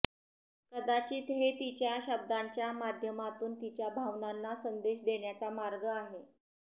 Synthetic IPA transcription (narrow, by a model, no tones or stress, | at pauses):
kəd̪at͡ɕiːt̪ɦet̪it͡ɕjaɕəb̚d̪aɲt͡ɕjamad̪ʱjəmat̪uːnt̪it͡ɕjabʱaʋnanːasənd̪eɕd̪eɳjat͡samaɾɡəaɦe